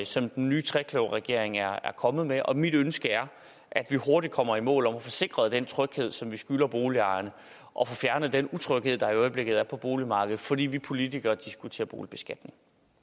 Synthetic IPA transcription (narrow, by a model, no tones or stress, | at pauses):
sɒ̽md̥enːyːt͡sʰʁɛkʰloʊ̰ʁɛɡ̥e̝ɐ̰e̝ŋæɐæɐkʰɒ̽mð̩ˠmeʔɒ̽mid̥ønsɡ̥əæɐ | ʔæd̥ʋiho̝ɐdid̥̚kʰɒ̽m̰ɐimɔ̰ːlɒ̽mɒfɒ̽se̝ɡ̥ʁɐð̩ˠd̥ent͡sʰʁœɡ̥he̝ð̞̰ˠsɒ̽mʋisɡ̥ylɐb̥o̝ːliɑ̈ɪɐnə | ʔɒ̽fɔ̽fjæɐnəð̩ˠd̥enut͡sʰʁœɡ̥he̝ð̞̰ˠd̥ɑ̈iɒ̽ɪb̥le̝ɡ̥ð̩ˠæɐpʰɒ̽b̥o̝ːlimɑ̈ːɡ̥əð̩ˠfɒ̽d̥ḭːʋipʰo̝lidiɡ̥ɐd̥isɡ̥ut͡sʰe̝̰ːɐb̥o̝ːlib̥e̝sɡ̥æd̥ne̝ŋ